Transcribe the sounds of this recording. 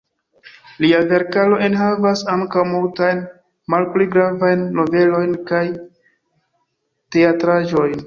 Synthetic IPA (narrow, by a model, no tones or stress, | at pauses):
liave̞ɾkalo̞ʔenɦavasaŋkawmultajn | malpliɡɾavajnːo̞ve̞lo̞jnkaj | te̞atɾaʒo̞jn